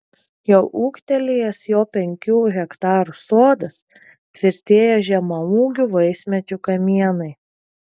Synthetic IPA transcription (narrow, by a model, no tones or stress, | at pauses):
jɛʊʔuːkt̪ʲɛlʲɪjɛsjoːpʲɛŋʲkʲuːɣʲɛkt̪ɑːɾʊsoːd̪ɐs | t̪ʲʋʲɪɾʲt̪ʲeːjɛʒʲɛmɐuːɡʲʊʋɐɪsʲmʲɛt͡ʃʲʊkɐmʲiɛnɐɪ